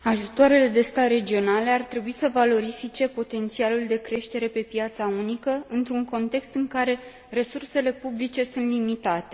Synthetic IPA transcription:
aʒut̪oaɾe̞le̞d̪e̞st̪aɾe̞d͡ʒio̞nale̞art̪ɾe̞buisəvalo̞ɾifit͡ʃe̞po̞t̪e̞nt̪sialuld̪e̞kɾe̞ʃt̪e̞ɾe̞pe̞pjat̪saunikəɨnt̪ɾuŋko̞nt̪e̞kst̪ɨŋkaɾe̞ | ɾe̞surse̞le̞publit͡ʃe̞sunt̪limit̪at̪e̞

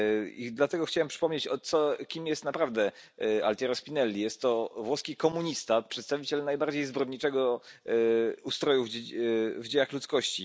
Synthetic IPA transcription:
ḭd̪lat̪ɛɡɔxt͡ɕawɛmpʂɘ̥pɔmɲet͡ɕɔt̪sɔkʲimjɛst̪napɾavd̪ɛa̰lt̪ʲɛɾɔspʲinɛlʲːijɛst̪ːɔvwɔskʲikɔmuɲist̪apʂɛt̪st̪avʲit͡ɕɛlnajbaɾd͡ʑejzbɾɔd̪ɲit͡ʂɛɡɔ | ust̪ɾɔjuv | vd͡ʑejaxlut̪skɔɕt͡ɕḭ

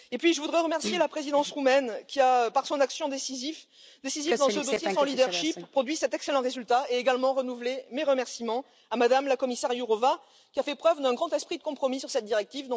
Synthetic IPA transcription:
epɥiʒəvud̪ʁɛʁəmɛʁsjelapχezid̪ɑ̃sʁumɛnkʲiaøpaʁsɔ̃naksjɔ̃d̪esizif | d̪esizid̪ɑ̃səd̪osjesɑ̃lid̪ɛʁʃippːχɔd̪ɥisɛt̪ɛkselɑ̃ʁezylt̪aeeɡalmɑ̃ʁənuvlemeʁəmɛʁsimɑ̃ | amad̪amlakɔmisɛʁjuʁɔva | kʲiafɛpχœvd̪ɛ̃ɡʁɑ̃t̪ɛspχid̪əkɔ̃pχɔmisyʁsɛt̪̚d̪iʁɛk̚t̪ivd̪ɔ̃

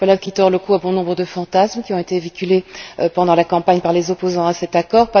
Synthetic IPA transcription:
palad̪kʲit̪ɔʁləkuabɔ̃nɔ̃bʁəd̪əfɑ̃t̪asmkʲiɔ̃et̪evikʲyleøpɑ̃d̪ɑ̃lakɑ̃paɲpaʁlezɔpozɑ̃asɛt̪akɔːʁpa

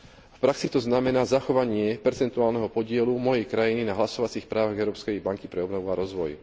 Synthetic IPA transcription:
fpɾaksit̪ɔznamɛnaːzaxɔʋaɲɪɛpɛɾt͡sɛnt̪uaːlnɛɦɔpɔɟɪɛlumɔjɛjkɾajininaɦlasɔʋat͡siːxpɾaːʋaɣɛʊɾɔːpskɛjbaŋkipɾɛɔbnɔʋuaɾɔzʋɔj

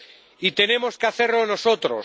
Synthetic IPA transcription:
it̪e̞ne̞mo̞skeaθeɾlono̞so̞t̪ɾo̰s

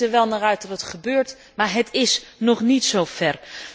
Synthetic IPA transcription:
əʋɛlˠnaːrœɥtɑtətχəbøːɹt | maːɹɦətɪsnɔχnitsowv̥ɛr

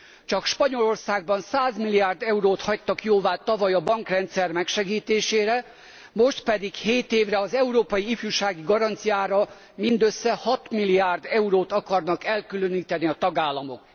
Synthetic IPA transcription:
t͡ʃɒkʃpɒɲo̞lo̞rsaːɡ̚bɒnsaːzmilijaːrd̪ɛuɾoːt̪hɒc̚t̪ːɒkjoːvaːt̪ɒvɒjɒbɒŋkrɛnt̪sɛrmɛkʃɛɡiːt̪eːʃeːɾɛ | mo̞ʃt̪pɛd̪ikheːt̪eːvrɛɒzɛuɾoːpɒjiifjuʃaːɡiɡɒɾɒnt̪sijaːɾɒ | mind̪øsːɛhɒt̪milijaːrd̪ɛuɾoːt̪ɒkɒrnɒkɛlkylø̞niːt̪ɛniɒt̪ɒɡaːlːɒmo̞̰k

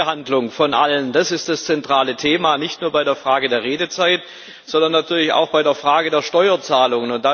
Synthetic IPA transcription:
əhandlʊŋfɔnʔa̰lənd̥asɪstd̥ast͡sɛntʁ̥aːlətʰeːmanɪçtnuːɐbaɪɾeːɐfʁ̥aːɡədeːɐʁeːdət͡saɪt | z̥ɔndɐnːatʰyːɐlɪça̰ʊxb̥aɪdeːɐfʁ̥aːɡədeːɐʃtɔʏɐt͡saːlʊŋənʊntd̥a

